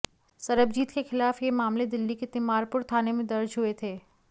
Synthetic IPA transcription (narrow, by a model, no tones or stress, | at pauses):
sɐɾəb̚d͡ʒiːt̪kexɪlaːfjemaːmled̪ɪlːiket̪ɪmaːɾpʊɾt̪ʰaːnemẽd̪ɐɾd͡ʒɦʊet̪ʰeː